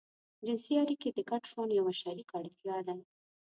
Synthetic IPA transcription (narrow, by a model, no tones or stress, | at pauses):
d͡ʒɪnsiaɽiked̪əɡaʈʃonjawaʃaɾikaɽt̪ijɑd̪a